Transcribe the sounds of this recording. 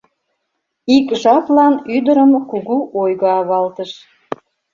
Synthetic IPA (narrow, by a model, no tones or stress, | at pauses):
ikʒɑplɑnyd̪əɾəmkuɣuʔojɣoɑβɑlt̪əʃ